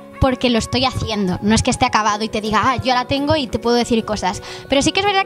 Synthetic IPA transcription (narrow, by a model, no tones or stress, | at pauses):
po̞ɾke̞lost̪o̞jaθje̞nd̪o̞no̞eskest̪eakaβ̞að̞oit̪e̞ðiɣaaʝo̞alat̪e̞ŋɡo̞it̪e̞pwe̞ðoe̞θiɾko̞saspe̞ɾo̞sike̞zβe̞ɾða